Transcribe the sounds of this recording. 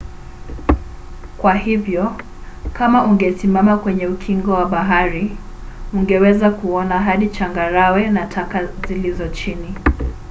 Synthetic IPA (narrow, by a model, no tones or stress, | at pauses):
kwahivjɔ | kamaʔuŋɡɛsimamakwɛɲɛukʰiŋɡɔwaɓaɦaɾi | uŋɡɛwɛzakuɔnaɦaɗit͡ʃaŋɡaɾawɛnatʰakazilizɔt͡ʃini